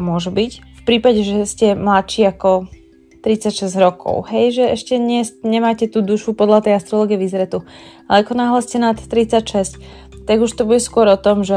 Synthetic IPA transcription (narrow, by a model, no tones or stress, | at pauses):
mʊɔʒubicfpɾiːpaɟɛʒɛscɛmlat̪t͡ʃiːakɔ | t̪ɾit͡sacʃɛzɟɾɔkʰɔ̰ʊɦɛjʒɛɛʃcɛɲɪɛsɲɛmaːcɛt̪uːd̪uʃupɔd̪lat̪ɛjast̪ɾɔlˠɔːɡiɛʋizɾɛt̪ualɛakɔnaːɦlɛscɛnat̪ːɾit͡sacʃɛsc | t̪aɡuʃt̪ɔbuɟɛskʊɔɾɔt̪ɔmʒɛ